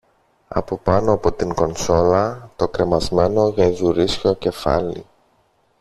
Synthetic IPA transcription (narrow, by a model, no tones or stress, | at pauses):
ɐ̰po̞pɐno̞ɐpo̞t̪iŋko̞nso̞lɐt̪o̞kɾe̞mɐzme̞no̞ʝɐðuɾisço̞ce̞fɐ̰lḭ